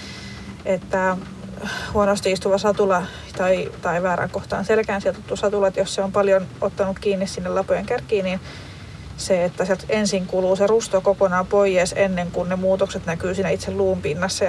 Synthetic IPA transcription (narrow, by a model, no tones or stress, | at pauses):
et̪ːæ | huonost̪iist̪uʋɑsɑt̪ulɑ | t̪ɑit̪ɑiʋæːɾæ̰ŋkoht̪ɑ̰ːnselkæːnsielt̪ut̪ːusɑt̪ulɑt̪josseompɑljonʔot̪ːɑnukkiːnːissinːelɑpojeŋkærkiːnin | seet̪ːæsiɛlt̪ensiŋkuluːserust̪okokonɑpoijeːsenːeŋkunnemuːt̪okset̪nækyːsiːnæit̪selluːmpinːɑsːɑ